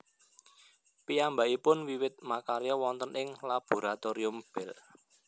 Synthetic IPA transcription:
piambaʔipʊnwiwɪt̪̚makaɾjɔwɔnt̪ənɪŋlab̥o̤ɾat̪oɾiʊmb̥ɛl

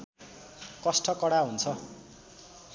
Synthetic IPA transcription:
kʌsʈʰʌkʌɽaɦunt͡sʰʌ

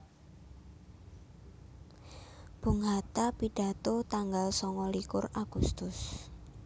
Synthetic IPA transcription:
b̥ṳŋɦat̪apiɖ̥a̤t̪ɔt̪aŋɡalsɔŋɔlikʊraɡ̥ust̪ʊs

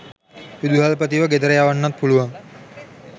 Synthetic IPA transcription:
ʋud̪uɦalpət̪iʋəɡed̪əɾəjaːʋanːat̪̚puluʋaŋ

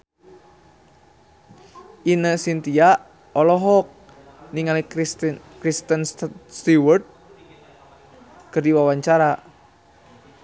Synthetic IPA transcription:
ʔinəsint̪ia | ɔlɔɦɔk̚ | niŋali | kɾist̪ənst̪iwərd̪̚ | kərdiwawaɲt͡ʃaɾa

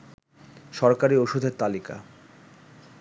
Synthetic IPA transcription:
ʃɔɾkaɾioʃud̪ʱeɾt̪alika̰

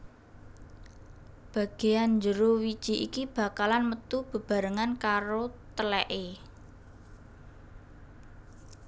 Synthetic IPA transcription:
b̥ä̤ɡ̥e̤jand͡ʒəɾowid̥ʒ̥i̤ʔikib̥a̤kalanmət̪ub̥ə̤b̥ä̤ɾəŋankaɾot̪əlɛʔe

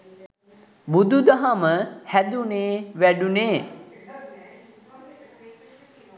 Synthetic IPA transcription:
bud̪ud̪aɦaməhæd̪uneːʋæɖuneː

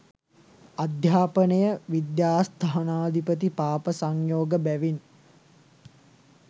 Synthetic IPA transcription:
ad̪ʱjaːpənəjəʋid̪jaːst̪ʰaɦanaːd̪ʱipət̪̬ipaːpəsaŋjoːɡəbæʋin

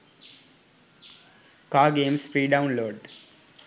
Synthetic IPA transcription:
kaːɡẽːmsfɾiːɖãʊ̃nloːɖ

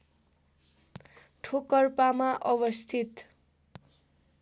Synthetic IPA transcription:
ʈʰokʌrpamaʔʌbʌst̪ʰit̪

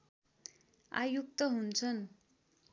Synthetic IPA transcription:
a̰juk̚t̪ʌɦunt͡sʰʌn

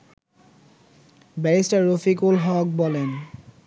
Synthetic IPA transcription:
bɛɹistaɹɹofikulɦɔk̚bɔlen

